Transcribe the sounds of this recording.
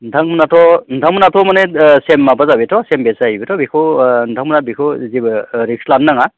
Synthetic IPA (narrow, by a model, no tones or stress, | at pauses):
ndʰʱaŋmunatʰɔndʰʱaŋmunatʰɔmanesemːabazabetʰɔsembezaɦibetʰɔbikʰɯndʰʱaŋmunabikʰɯzibɯɾikslanːaŋa